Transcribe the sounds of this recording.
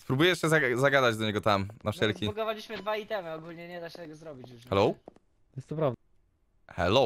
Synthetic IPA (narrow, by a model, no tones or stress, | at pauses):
spɾubujɛʂɕɛzazaɡad̪ad͡ʑd̪ɔɲɛɡɔt̪amnafʂɛlkʲiɡɔvalʲiɕmɘd̪vait̪ɛmɨɔɡulɲɛɲɛd̪aɕɛt̪ɛɡɔzɾɔbʲit͡ɕjuxɛlow̪ | jɛst̪ɔpɾavd̪ | xɛ̰lo